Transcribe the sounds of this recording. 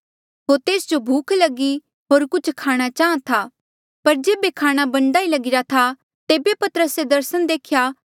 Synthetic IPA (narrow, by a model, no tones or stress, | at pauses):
ɦoːɾt̪eːsd͡ʒobʱuːkʰlɐɡi | ɦoːɾkʊt͡ʃʰkʰaːɽ̃at͡ʃaːãt̪ʰa | pɐɾd͡ʒeːbekʰaːɽ̃abɐ̃ɳɖaːilɐɡɪɾat̪ʰa | t̪eːbepɐt̪əɾəsed̪ɐɾsəñd̪eːkʰjaː